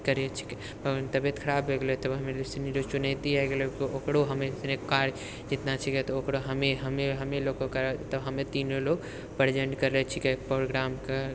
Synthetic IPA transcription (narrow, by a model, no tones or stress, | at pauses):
kəɾet͡ʃʰi̥kɛ̥ | pəənt̪əbet̪kʰəɾabːeɡlɛt̪əbɦəmelesiniɾot͡ʃunat̪iaɡelekookɽoɦəmeit̪nekːaɾ | d͡ʒit̪nat͡ʃʰikɛt̪ɔokɾoɦəmeɦəmeɦəmelokokəɾt̪əbɦəmet̪inolok | pəɾd͡ʒəɳɖkəɾlɛt͡ʃʰikɛpɾoɾɡɾamke